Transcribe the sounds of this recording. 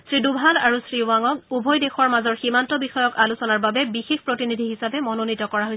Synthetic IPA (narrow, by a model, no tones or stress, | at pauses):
sɹidubʱalaɹusɹiwaŋɔk̚ubʱɔjdexɔɹmazɔɹximantɔbixɔjɔkalusɔnaɹbabɛbixexpɹɔtinidʱiɦisapɛmɔnonitɔkɔɹaɦoj